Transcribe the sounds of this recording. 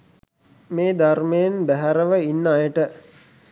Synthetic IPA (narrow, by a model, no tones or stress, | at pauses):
meːd̪armejenbæɦæɾəʋəinːajəʈə